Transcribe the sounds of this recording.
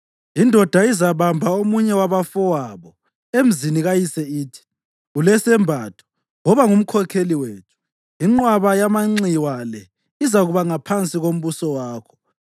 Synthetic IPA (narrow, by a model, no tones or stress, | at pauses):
indʱɔd̥ʱaizaβambʱaomuɲɛwaβafɔwaβɔ | em̩ziniɣajisɛiːtʰi̥ | ulɛsɛmbʱatʰu̥ | ŋɔβaŋum̩kʰɔkʰeliweːtʰu̥ | iŋ͡ǁwaβajamaŋ͡ǀiwalɛ | izaɣuβaŋapʰant͡sʼiɣom̩βusɔwaːkʰɔ̥